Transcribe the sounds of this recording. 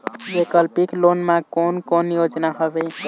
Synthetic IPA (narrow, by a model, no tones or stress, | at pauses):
bekəlpiklonmakonkonjod͡ʒnaɦəbɛ